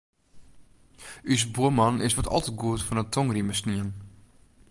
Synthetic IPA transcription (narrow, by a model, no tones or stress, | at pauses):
ʔysbuəmɔnɪsʋɔtʰɔ̰lˠtət̚ɡuətfɔnətʰɔŋriməsniən